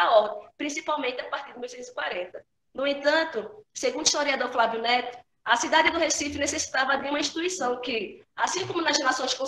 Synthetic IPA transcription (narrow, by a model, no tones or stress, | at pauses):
aɔɾd̪ẽj̃pɾĩsipawmẽnt̪ɪapaɾt̪iɾd̪ɪmuwsẽt̪zi̥kwaɾẽt̪ɐ | nʊẽnt̪ɐ̃nt̪ʊseɡũnd̪ʊiʃt̪oɾiad̪oɾflaviʊnɛt̪ʊ̥ | ɐsid̪ad̪ɪd̪ʊhesifʊnesesi̥t̪avɐd̪ɪũmɐ̃ĩʃt̪it̪uisɐ̃w̃kɪasĩkõmʊnɐzhelasõj̃skõ